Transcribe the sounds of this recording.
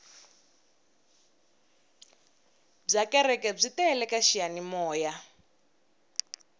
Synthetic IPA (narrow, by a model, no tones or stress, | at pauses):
b͡ʐakɛrɛkɛb͡ʐitɛlɛkaʃianimɔːja